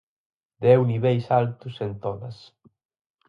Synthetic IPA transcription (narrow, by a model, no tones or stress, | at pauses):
d̪ɛwniβɛjsalt̪usent̪ɔnɐs